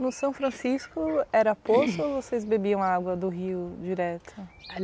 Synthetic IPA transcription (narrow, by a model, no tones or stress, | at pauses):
nʊsɐ̃fɾɐ̃siskʊɛɾɐposʊvosezbebiɐ̃w̃aɡwɐd̪ʊɦiʊd͡ʒiɾɛt̪ʰʊ